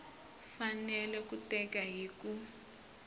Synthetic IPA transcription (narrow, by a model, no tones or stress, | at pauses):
fanɛlɛkutɛkaɦiːku